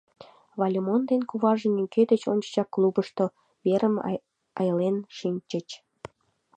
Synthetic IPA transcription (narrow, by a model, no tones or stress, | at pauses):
βɑlʲemond̪enkuβɑʒĕnʲyŋked̪et͡ɕonʲt͡ɕt͡ɕɑkːlubəʃt̪o | βeɾəm | ɑjəlenʃinʲt͡ɕət͡ɕ